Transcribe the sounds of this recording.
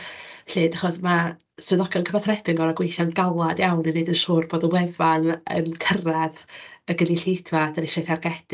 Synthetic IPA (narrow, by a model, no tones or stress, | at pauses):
ɬɪːdaχɔsma | swɨðɔkjɔnkʰəbaθrɛpʰɪŋɡɔlaɡwejθjanɡalˠadjawninedənsuːrboːdəwɛvanə̰nkʰəraðəɡəniɬejdʰvad̥ənɪʃajθarɡɛd̥